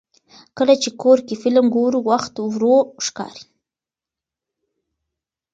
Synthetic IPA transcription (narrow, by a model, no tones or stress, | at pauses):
kəlat͡ʃekoɾkefɪlmɡoɾuwaxt̪wɾoʃkɑ̰ɾi̥